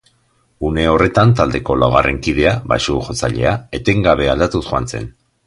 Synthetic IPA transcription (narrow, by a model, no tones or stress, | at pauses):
une̞o̞re̞t̪ant̪ald̪e̞ko̞lawɣare̞ŋkið̞e̞aβa̰ʃuʝo̞t͡saʎe̞̰ae̞t̪e̞ŋɡaβ̞e̞ald̪at̪usxuant͡se̞̰n